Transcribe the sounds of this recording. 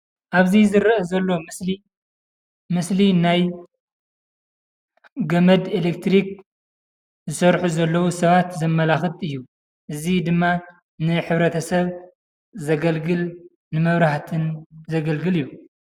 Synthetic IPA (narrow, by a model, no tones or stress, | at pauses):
ʔaβzizɨɾɐʔɐzɐlːo̞mɨsli | mɨslinaj | ɡɐmɐd̪elek̚t̪ɾik̚ | zɨsɐɾħuzɐlːɐwusɐβat̪zɐmːɐlaxɨt̪ʼɨjːu | ʔɨzid̪ɨmːa | nɨħɨβɾɐt̪ʰɐsɐβ | zɐɡɐlɡɨl | nɨmɐβɾaħt̪ʰɨnzɐɡɐlɡɨlɨjːu